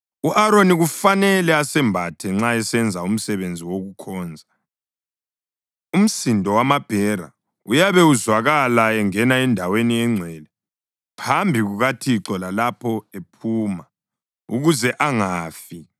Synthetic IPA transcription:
uʔaɾoniɣufanɛlɛasɛmbʱatʰɛŋ͡ǁaɛsɛnd͡zʱaum̩sɛβend͡zʱiwoɣukʰɔːnd͡zʱa | um̩sindʱɔwamab̥ʱɛɾa̰ | ujaβɛuzwaɣalaɛŋɛnaɛndʱaweniɛŋ͡ǀʱwɛlɛ | pʰambʱiɣuɣatʰiǀɔlalapʰɔepʰuːma | uɣuzɛʔaŋaːfi

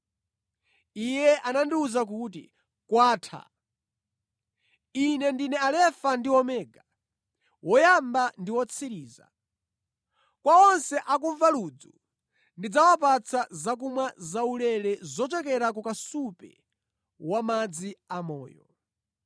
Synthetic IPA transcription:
ijɛʔanandiuzak̬uːtḭ | kwaːtʰa̰ | inɛndinɛalɛfandiwɔmɛːɡa | wɔjambandiwɔt͡sʰiɾiːza̰ | kwaɔnsɛʔak̬uɱvalud͡zṵ | ndid͡zawap̬at͡sʰazak̬umwazaulɛɾɛzɔt͡ʃɛkɛɾakukasupɛ̰ | wamad͡ziamɔ̰ːjɔ̰

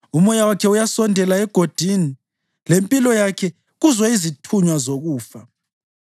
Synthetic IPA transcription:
umɔjawakʰɛujasɔndʱɛlaɛɡ̥ʱod̥ʱini | lempʼilɔjakʰɛ | ɣuzwaizitʰuɲwazoɣuːfa

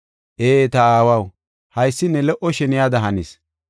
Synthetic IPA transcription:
ʔeːt̪ɐaːwɐw | hɐjsːɪnːɛlɛʔɔʃɛnɪjad̪ɐɦɐnɪs

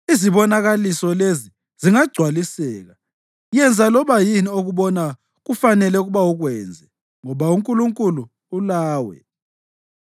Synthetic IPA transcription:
iziβɔnaɣalisɔlezi | ziŋaɡ͡ǀʱwalisɛːɣa | jɛnd͡zʱalɔβajinioɣuβɔna | ɣufanɛlɛɣuβawuɣwɛnd͡zʱɛ | ŋɔβauŋkʼuluŋkʼuluː | laːwɛ̰

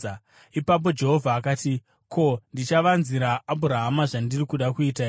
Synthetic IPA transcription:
ipap̬o̞d͡ʒe̞ɦo̞vʱaːkaːti | ko̞ndit͡ʃaʋanziɾaːbuɾaɦamaʐandirikuɗakuitai

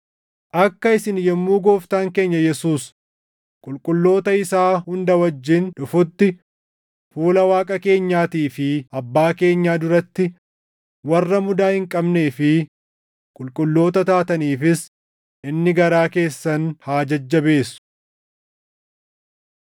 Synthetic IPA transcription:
ʔɐkːɐɪsɪnjɛmːuːɡo̞ːft̪aːŋke̞ːɲːɐjɛsuːs | kʼʊlkʼʊlːo̞ːt̪ɐɪsaːhʊnd̪ɐwɐd͡ʒːɪnᶑʊfʊt̪ːɪ | fuːlɐwaːkʼɐke̞ːɲːaːt̪iːfɪɐbːaːke̞ːɲːaːd̪ʊɾɐt̪ːɪ | wɐrːɐmʊd̪aːhɪŋkʼɐbne̞ːfɪ | kʼʊlkʼʊlːo̞ːt̪ɐt̪aːt̪ɐniːfɪs | ʔɪnːɪɡɐɾaːke̞ːsːɐnhaːd͡ʒɐd͡ʒːɐbe̞ːsʊ̥

